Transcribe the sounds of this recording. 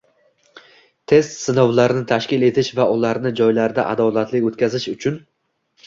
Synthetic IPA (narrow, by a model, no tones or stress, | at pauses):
t̪ʰe̞st̪sɪnɒwlaɾɪnɪt̪ʰaʃkʲɪle̞t̪ʰɪʃvaʊlaɾnɪd͡ʒɒjlaɾd̪aʔa̰d̪ɒlˠat̪lɪkʲot̪kʲazɪʃʊt͡ʃʰʊn